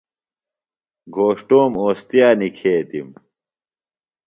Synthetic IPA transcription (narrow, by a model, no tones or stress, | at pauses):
ɡʱoːʂʈoːmoːst̪jaːnikʰeːt̪im